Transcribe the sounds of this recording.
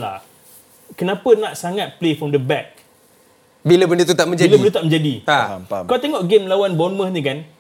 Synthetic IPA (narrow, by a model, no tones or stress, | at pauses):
la̰ | kənãpənaʔsaŋat̪̚plefɾɔmdəbɛk̚ | bilabəndət̪ut̪aʔ̚mə̃ɲd͡ʒailəbənut̪aʔmə̃ɲd͡ʒadiakalot̪eŋɔʔɡemlawanbɔnmə̃sɲikan